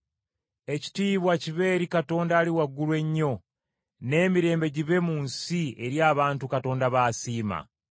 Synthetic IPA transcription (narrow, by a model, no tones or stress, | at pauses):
e̞ci̥tiːβwaciβe̞ːɾikato̞ːndaːliwaɡːulwe̞ɲːo̞ | ne̞ːmiɾe̞ːmbe̞ɟiβe̞muːnsie̞ɾjaːβaːntukato̞ːndaβaːsiːma̰